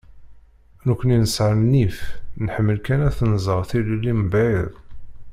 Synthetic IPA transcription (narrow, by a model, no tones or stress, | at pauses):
nəkʷːəninəsʕəmnifnħəmːəlkænæθnzˤəʁθiləlːimbʕeðˤ